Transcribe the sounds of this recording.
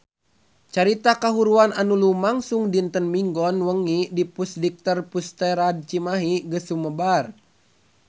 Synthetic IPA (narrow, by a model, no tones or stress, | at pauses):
t͡ʃaɾit̪akaɦuɾuananulumaŋsuŋdint̪ənmiŋɡɔnwəŋidipusdik̚t̪ərpust̪ɛɾad̚t͡ʃimaɦiɡəsuməbar